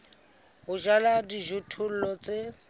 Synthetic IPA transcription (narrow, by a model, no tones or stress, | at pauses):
ɦʊʒaladiʒutʰʊl̩lɔt͡sʼe